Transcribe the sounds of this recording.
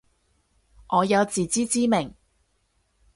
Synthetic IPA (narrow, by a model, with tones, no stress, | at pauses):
ʔɔː˨˧jɐ˨˧wt͡siː˨t͡siː˥t͡siː˥mɪ˨˩ŋ